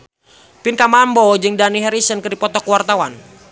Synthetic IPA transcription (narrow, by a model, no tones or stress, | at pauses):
pinkamambɔd͡ʒɨŋdaniɦɛɾisənkɨdipɔt̪ɔkwart̪awan